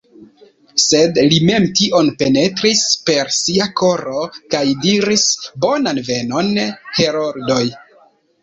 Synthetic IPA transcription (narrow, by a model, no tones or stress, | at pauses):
se̞dlime̞mtiʔo̞npe̞ne̞tɾispe̞ɾsiako̞ɾo̞kajdiɾisbo̞nanve̞no̞nhe̞ɾoɾdo̞j